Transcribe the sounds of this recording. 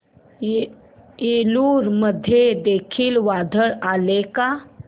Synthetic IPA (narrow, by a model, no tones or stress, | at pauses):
eluːɾməd̪ʱːjed̪ekʰiːlʋad̪ʱəɭaleka